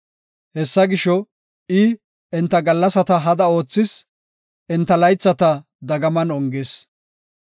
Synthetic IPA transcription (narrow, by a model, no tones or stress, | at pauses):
hɛsːɐɡɪʃɔ | ɪ | ɛnt̪ːɐɡɐlːɐsɐt̪ɐɦɐd̪ɐo̞ːt͡sːɪs | ʔɛnt̪ːɐlɐjt͡sːɐt̪ɐ | d̪ɐɡɐmɐnɔŋɡes